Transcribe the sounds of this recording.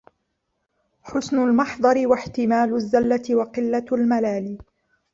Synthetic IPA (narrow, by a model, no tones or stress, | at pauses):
ħʊsnʊlmɑħd̪ˤɑɾɪwaħt̪ɪmaːlʊzːalːat̪ɪwɑqɪlːalmalaːliː